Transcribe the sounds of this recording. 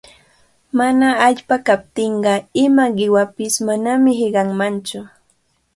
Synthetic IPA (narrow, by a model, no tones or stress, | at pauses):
manaːʎpakap̚t̪ɪɴɢɑɪmaɢɪwapɪsmanamɪhɪɢɑŋmant͡ʃʊ